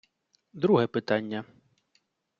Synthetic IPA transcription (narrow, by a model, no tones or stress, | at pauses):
d̪ɾuɦɛpɪt̪ɑnʲːɐ